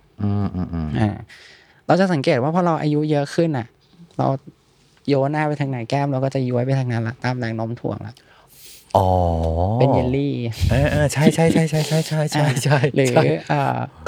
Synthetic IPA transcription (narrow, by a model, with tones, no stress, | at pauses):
ʔɯː˧˩ʔɯː˧ʔɯː˧˩ʔa̰ː˧˩ | ɾa˧wt͡ɕa˨˩sa˩˦ŋkeː˨˩t̪̚waː˥˩pʰɔ˦˥˩ɾa˧wʔa̰ː˧ju˦˥jɤ˦˥kʰɯ˥˩nʔa˨˩ʔ | ɾa̰˧w | joː˧˥naː˥˩pa˧jt̪ʰa˧ŋnaː˨˩˦jkɛː˥˩mɾa˧wkɔː˥˩t͡ɕa˨˩ju˧˦˥əjp̬a˧jt̪ʰaː˧ŋna˦˥nla˨˩ʔt̪aː˧mlɛː˨˦ŋno˦˥mt̪ʰṵ˨˩˦əŋla̰˨˩˦ʔ | ʔɔː˨˩˦pe˧nji˧liː˥˩ʔaː˧˩ʔaː˧˩t͡ɕʰa˥˩jt͡ɕʰa˥˩jʰa˥˩jt͡ɕʰa˥˩jt͡ɕʰa˥˩jt͡ɕʰa˥˩jt͡ɕʰa˥˩t͡ɕʰa˥˩jɾɯː˩˦˥ʔaː˧˩